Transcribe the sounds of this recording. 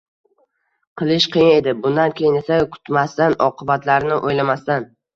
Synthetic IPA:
qʰɨlˠɪʃqʰɨjɪne̞d̪ɪbʊnd̪ankʲʰejɪnesakʰʊ̥t̪mast̪anʔɒqʰɨbat̪laɾnɪʔojlamast̪an

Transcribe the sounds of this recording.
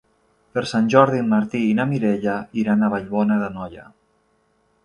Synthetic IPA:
pəɾsanʲʒɔɾðimːaɾt̪iːnamiɾeʎaiɾanaβaʎβɔnaðənɔja̰

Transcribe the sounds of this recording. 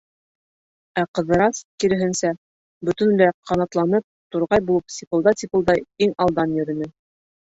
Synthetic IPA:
æqɤ̆ðɤ̆ɾɑskiɾɘ̆ɦɘ̆nsæ | bɵ̆t̪ɘ̆nlæqʰɑnɑt̪lˠɑnɤp̚t̪uɾʁɑjbulˠɤpsʲipɤ̆lˠd̪ɑt̪ʲipɤ̆lˠd̪ɑjiŋɑlˠd̪ɑnjɵ̆ɾɘ̆nɘ

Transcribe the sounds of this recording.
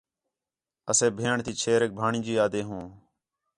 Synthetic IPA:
əseːbʱeːɳt̪iːt͡ʃʰeːɾeːk̚bʱaːɳĩːd͡ʒiːaːd̪eːɦõː

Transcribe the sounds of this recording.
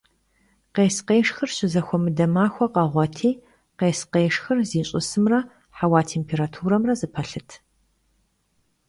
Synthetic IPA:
qeːsqeːʂxɨrɕɪzɐxʷɔmɨdɐmaːxʷɔqɐʁʷɔtʰiː | qeːsqeːʂxɨrziːɕʼɪsɨmrɐ | ħawaːtʰeːmpʰeːɾaːtʰuːɾɐmrɐzɨpʰɐɬɨtʰ

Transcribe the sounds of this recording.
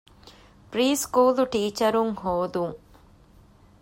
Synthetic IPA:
pɾiːskuːluʈiːt͡ʃɐɾumɦoːd̪u

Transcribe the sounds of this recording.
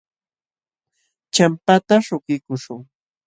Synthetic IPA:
t͡ʃampat̪aʃʊkɪkʊʃʊŋ

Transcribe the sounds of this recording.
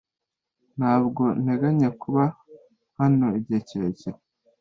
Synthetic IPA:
n̥haːbɡo̞n̥eɡaɲakuβa | hano̞ibɟeːceɾece

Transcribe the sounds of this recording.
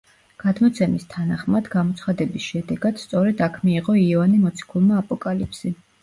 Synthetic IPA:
ɡ̥ad̪mɔt̪sʰɛmist̪ʰanaχmad̪ɡamɔt̪sʰχad̪ɛbisʃɛd̪ɛɡad̪̥st̪sʼɔɾɛd̪akʰmiːqʼɔiɛvanimɔt̪sʰi̥kʰulˠmaːpʼɔkʼalipʰsi

